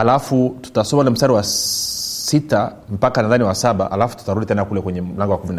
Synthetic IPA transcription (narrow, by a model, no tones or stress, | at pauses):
alafutu̥tasɔmaulam̩staɾiwa | sita | m̩pakanaðaniwasaɓa̰ʔha̰lafu̥tu̥taɾuɗitɛnakulɛkwɛɲɛm̩laŋɡɔwakumina